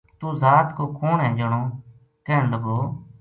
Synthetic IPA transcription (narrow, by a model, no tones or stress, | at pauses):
t̪uːzaːt̪koːkoːɳɦɛ̃ːd͡ʒəɳoː | kɛːɳləɡoː